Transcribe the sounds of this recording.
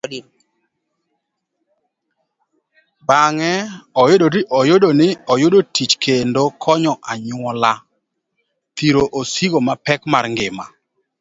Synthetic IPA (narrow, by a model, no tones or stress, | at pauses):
baŋɛɔjodoɾiʔɔjodonɪɔjodotit͡ʃkendokʰɔɲɔʔaɲʊɔla | t̪iɾoʔosiɡomapɛkmarŋɡɪma̰